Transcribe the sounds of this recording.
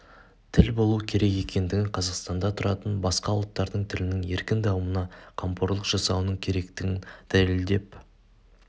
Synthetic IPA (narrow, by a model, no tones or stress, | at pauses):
t̪ʰɪlbo̞lˠukʲʰe̞ɾe̞ke̞kʲe̞nd̪ɪɡʲɪɴqʰɑzɑqst̪ɑnd̪ɑt̪ʰʊɾɑt̪ənbɑsqɑulˠt̪ːɑɾd̪əɴt̪ʰɪlɪnɪŋe̞ɾkʲɪnd̪ɑwəmənɑqʰɑmpo̞ɾlˠəqʒ̥ɑsɑwnəɴkʲʰe̞ɾe̞kt̪ɪɡʲɪnd̪̥æleld̪e̞p